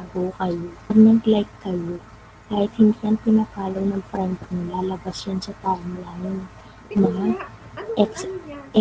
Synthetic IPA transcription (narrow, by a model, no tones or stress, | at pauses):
aɡokɐjoɡnɐɡlajkːɐjo̞ | kaːhɪt̪̚hɪnd̪iɐnpɪnaːpaːloɡnɐŋfɾɛnd̪ɐɾnɪlalɐbasjɐnsɐt̪aːʔoŋlaːŋɪn | mɐŋaʔɛks